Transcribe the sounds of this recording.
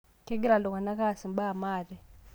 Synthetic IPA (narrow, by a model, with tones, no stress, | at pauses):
kɛ˦ɡi˦ɾa˨lɔ˨ka˨na˦ka˦˨si˨m˦ɓa˦˨maː˨ɾɛ˨